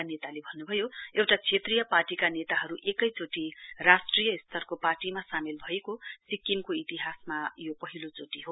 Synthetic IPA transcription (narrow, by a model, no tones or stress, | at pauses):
anet̪alebʱʌnːubʱʌjoewʈat͡sʰet̪rijʌparʈikanet̪aɦʌɾuʔekʌjt͡soʈirasʈrijʌist̪ʰʌrkoparʈimasamelbʱʌekosikːinkoit̪iɦasmajopʌɦilot͡soʈiɦo